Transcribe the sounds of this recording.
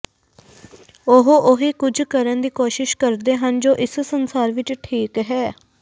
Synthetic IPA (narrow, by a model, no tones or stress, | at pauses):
ʊɦoʔʊɦiːkʊd͡ʒʱkəɾənd̪iːkoːʃɪʃkəɾd̪eːɦənd͡ʒoːʔɪssənsaːɾʋɪt͡ʃʈʰiːkɦɛː